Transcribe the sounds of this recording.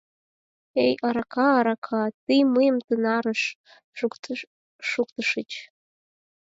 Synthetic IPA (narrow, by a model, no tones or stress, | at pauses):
ejʔaɾakʰaːɾakʰatɨjmɨjɪmtʰɨnaɾɨʂ | ʂuk̚ʼtʰɨʂɨt͡ʃʼ